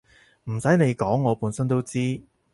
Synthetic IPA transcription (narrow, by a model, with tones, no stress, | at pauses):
m̩˨˩sɐ˨˥jne˨˧jkɔː˨˥ŋːɔː˨˧puː˨˥nsɐ˥nt̪o˥wt͡siː˥